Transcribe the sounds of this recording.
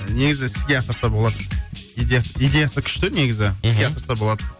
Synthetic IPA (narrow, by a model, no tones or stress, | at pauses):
ne̞ɡʲɪzɪɪsɪzɡʲe̞ɑsəɾsɑbo̞lˠɑd̪əijd̪ʲejasijd̪ʲe̞jasəkʲʰʏ̥ʃt̪ɪne̞ɡʲɪzɪɪsɡeɑsəɾsɑbo̞lˠɑd̪ə